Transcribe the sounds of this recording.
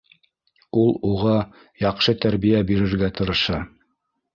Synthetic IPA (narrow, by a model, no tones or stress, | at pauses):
ulˠuʁɑ | jɑqʃɤt̪æɾβijæbiɾɘ̆ɾɡæt̪ɤ̆ɾɤ̆ʃɑ